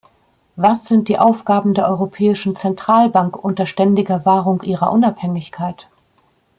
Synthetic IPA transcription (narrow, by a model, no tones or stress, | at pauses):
vasz̥ɪnt̚d̥iːʔaʊfɡ̥aːbm̩deːɐʔɔʁopʰɛːɪʃn̩t͡sɛntʁ̥aːlbaŋkʔʊntɐʃtɛndɪɡɐvaːʁʊŋʔiːʁɐ̰ʔʊnaphɛŋɪçkʰaɪt